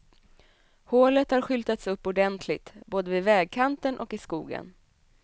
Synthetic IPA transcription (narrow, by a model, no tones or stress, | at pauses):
hoːlət̪haɾɧʏlt̪at̪sɵpːʊɖɛnt̪ʰlɪɡt̪boːd̪əvɪvɛːɡ̚kʰant̪ənʔɔkɪskuːɡə̰n